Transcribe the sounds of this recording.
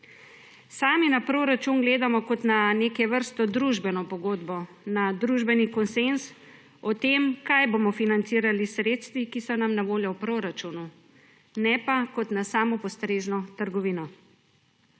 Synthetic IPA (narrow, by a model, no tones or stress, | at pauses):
saːminapɾoːɾat͡ʃunɡleːd̪amɔkɔt̪naneːkɛʋəɾst̪ɔd̪ɾuʒbɛnɔpɔɡoːd̪bɔ | nad̪ɾuʒbɛnikɔnsens | ɔt̪emkajbomɔfinant̪siːɾalisɾeːt̪st̪ʋikisɔnamnaʋoːljɔwpɾoːɾat͡ʃunu | nɛpakɔt̪nasaːmɔpɔst̪ɾeːʒnɔt̪əɾɡɔʋiːnɔ